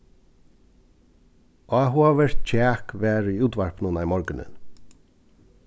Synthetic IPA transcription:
ɔɦuaʋɛɹ̥t̪t͡ʃʰɛːkʋɛːɾʏuːt̪ʋaɹpnʊnamɔɹkɪnɪ̰n

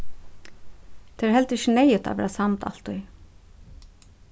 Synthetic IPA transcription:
t̪ʰeːɹhɛlt̪ɪçɪnejɪt̪ʰa̰ʋɛ̰ːɹasamt̪ʰa̰lt̪ʊj

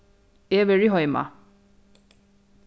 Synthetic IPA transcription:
eaveɹiɦɔjma̰

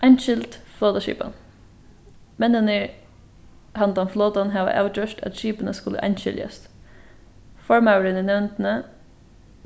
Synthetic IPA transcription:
ʔɑɪnʃɪlt̪floːt̪ɑʃḭːpɑ̰n | mɛnənə | hɑnd̪ɑnfloːt̪ɑnɦɑːʋə̰ʔɑ̰ʉt͡ʃœʂtæ̰t̪ʃiːpənəskʊlə̰ʔɑ̰ɪnɕɪ̰ljɑ̰st̪ | fɔɹmɑʊəɾəninɛʋnt̪nə

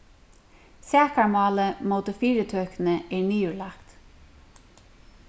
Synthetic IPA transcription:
sæːkaɹmɑːləmot̪əfiːɾət̪ʰøːknəeːɹniːʉlɑkt̪

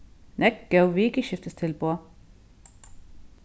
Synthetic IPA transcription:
nɛk̚ɡ̥œʊʋiːkəʃɪft̪əst̪ʰɪlboː

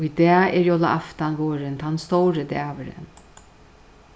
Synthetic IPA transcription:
jd̪ɛːɛɾjoːla̰ʔaft̪anʋoːɾɪnt̪ʰanst̪ɔwɾəd̪ɛːʋəɾə̰n

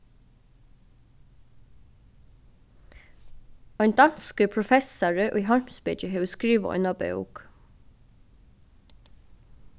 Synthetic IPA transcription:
œɪnd̪ɑnskəpʰɹʊfɛsɑɹəʔiːɦɔɹmsbɪt͡ʃəɦeːʋəskɹiːʋə̰ɔ̰ʏnɑbœ̰ʉk

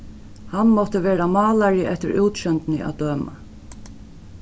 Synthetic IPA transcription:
hanmɔt̪əʋeːɾamɑːlaɾɪʔɛht̪ɪɾuwt̪ʃɛnt̪nɪʔa̰d̪øːma̰

